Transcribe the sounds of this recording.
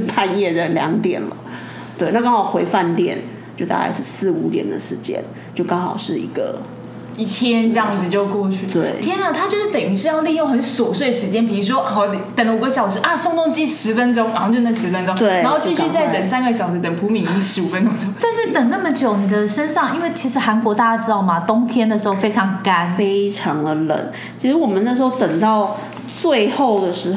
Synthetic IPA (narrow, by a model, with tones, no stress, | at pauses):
pʰa˥˧njɛ˥˩d̪ə˩ljɑ̰˧˥ŋt̪jɛ̰˨˩nlə̰˦ | t̪we˥˩ɪna˥˧kɑ˥ŋxɑ˨˩ʊxwe˧˥ɪfa˥˧nt̪jɛ̰˥˩n | t͡ɕjo˥˧t̪a̰˥˧ka̰˥˧ɪʂɻ̩˥˧sɹ̩˥˩u˧˥t̪jɛ̰˨˩nd̪ə̰˦ʂɻ̩˧˥˦t͡ɕjɛ̰˥n | t͡ɕjo˥˩ʊkɑ˥ŋxɑ˨˩ʊʂɻ̩˥˩ḭ˧˥ɡ̥ə̰˧ | i˥˩t̪ʰjɛ˥nʈ͡ʂə˥˧ɑ˥˩ŋd͡z̩˨˩t͡ɕjo˥˧ʊkwɔ˥˧t͡ɕʰy˥˩t̪we˥˩ɪt̪ʰjɛ˥nlə˨t̪ʰa˥t͡ɕjo˥˧ʊʂɻ̩˥˩t̪ə˨˩y˧˥ʂɻ̩˥˧jli˥˧jo˥˩xə˧˦nswɔ˨˩swe˥˩ɪd̪ə˩ʂɻt͡ɕjɛ˥npi˨˩i˧˥ʂ̬wɔ˥ɔ˧˩i˨t̪ə˨˩ŋlə˧u˨ɡə˧˦ɕjɑ˨˩ʊʂ̩˧˥ʔa˥˩sʊ˥˧ŋt̪ʊ˥˧ŋt͡ɕi˥˩ʂɻ̩˧˥fə˥nʈ͡ʂo˥ŋna˨˧˦t͡ɕo˥˧nə˥˩ʂɻ̩˧˥fə˥nʈ͡ʂo˥ŋt̪we˥˩ɪ˨˧˦xo˥˧ʊt͡ɕi˥˧y˥˧t͡sa˥˩t̪ə˨˩ŋsa˥nɡə˨ɕjɑ˨˩ʊʂɻ̩˧˥t̪ə˨˩ŋpʰu˧˥mi˨˥ni˧˥ʂɻ̩˧˥u˨˩fə˧˦nʈ͡ʂʊ˥˧ŋʈ͡ʂo˥ŋt̪a˥˧nʂɻ̩˥˩t̪ə˨˩ŋna˥˩mə˨t͡ɕjo˨˩ʊni˨˩d̪ə˦ʂə˥nʂɑ˥˩ŋi˥nwe˥˩ɪt͡ɕʰi˧˥ʂɻ̩˧˥xa˧˥nkwɔ˧˥t̪a˥˧a˥˩ʈ͡ʂ̩̪˥ɑ˥˩ʊmɐ˨t̪ʊ˥ŋt̪ʰjɛ˥nd̪ə˨˩ʂɻ̩˧˥xo˥˧ʊfe˥ɪʈ͡ʂʰɑ˧˥ŋka˥nfe˥ɪʈ͡ʂʰɑ˧˦ŋd̪ə˧lə̰˨˩˦n | t͡ɕʰi˥ʂɻ̩˧˥wɔ˨˩mə˦na˥˩ʂɻ̩˧˥xo˥˧ʊt̪ə˨˩ŋt̪ɑ˥˧ʊ | t͡swe˥˧ɪxo˥˩ʊd̪ə˩ʂɻ̩˧˥